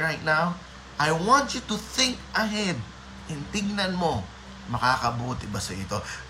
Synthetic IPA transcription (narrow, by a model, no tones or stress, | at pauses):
ɹajt̪̚naw | ʔɐjwãnt͡ʃut̪ʊθɪ̃ŋkʔɐɦɛd̪̚ | ʔɪnt̪ɪɡnɐnmo̞ | mɐkaːkɐbuːt̪ɪbɐsɐʔɪt̪o̞